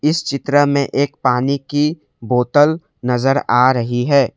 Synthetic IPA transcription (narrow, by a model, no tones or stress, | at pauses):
ɪst͡ʃɪt̪ɾəmẽʔeːk̚paːniki | boːt̪əl | nɐzəɾaːɾɐɦiɦɛː